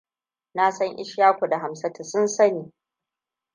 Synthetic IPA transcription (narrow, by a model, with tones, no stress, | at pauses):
na˦sɐ˦ŋʔɪ̰˦ʃjaː˦kʷo˨da˨ɦa˨msɐ˦tʰa˨sʊ˦nsɐ˦niː˨